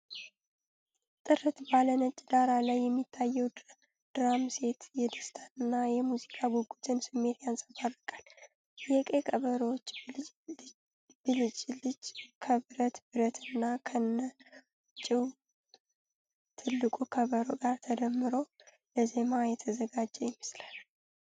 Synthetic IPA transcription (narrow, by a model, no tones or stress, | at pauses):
t̪ʼɨɾɨt̪balənət͡ʃʼːd̪aɾalajːɛmːit̪ʰːajːɛw | d̪̥ɾamse̞t̪jɛd̪ɨst̪ʰanɨnːajɛmuzikʰʼaɡuɡut̪ʰʼɨnsɨmːeɾijansʼəfarɨkʼal | jɛkʼe̞kʼəβəɾəwot͡ʃː | b̥ɨlɨt͡ʃʼlɨd͡ʒkʰəbɨɾət̪bɨɾət̪ʰɨnːakʰənːə | t͡ʃʼɪw | t̪ʰɨlːɨkʼukʰəβəɾoɡaɾt̪ʰəd̪əmːɨɾo̞ | ləze̞majɛt̪ʰəzəɡad͡ʒːɛjɛmːəslal